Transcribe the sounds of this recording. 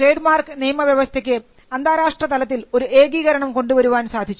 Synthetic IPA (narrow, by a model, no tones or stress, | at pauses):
reːɖmaːrkɨnijmɐʋjɐʋɐst̪ʰek̬ʲːɨ | ɐnd̪ʱaːɾaːʂʈrɐt̪ɐlɐt̪ːilo̞ɾuʔeːɡiːɣɐɾɐɳɐmko̞ɳɖuʋɐɾuʋaːnsaːd̪ʱit͡ɕːu